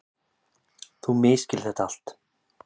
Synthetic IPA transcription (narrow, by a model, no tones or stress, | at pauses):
θumɪːscɪl̥θɛht̪aal̥t̪